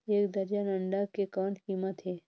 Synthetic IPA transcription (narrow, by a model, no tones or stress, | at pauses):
eːkd̪ɐɾjanəɳɖakekɔːnkiːmət̪ɦɛː